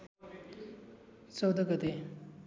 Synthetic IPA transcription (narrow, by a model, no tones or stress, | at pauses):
t͡sʌwd̪ʌɡʌt̪e